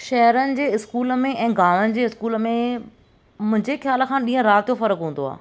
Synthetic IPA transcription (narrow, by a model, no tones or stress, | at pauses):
ʃɐɦɾənɪ̆d͡ʑeːɪskuːləmẽʔɛ̃ːɡaːʋənɪ̆d͡ʑeːɪskuːləmẽ | mʊ̃ɦɪ̃ɲd͡ʑexjaːlə̆kʰãːɗĩːɦə̃ɾaːt̪jofɐɾəkɦũːnd̪oa̰ː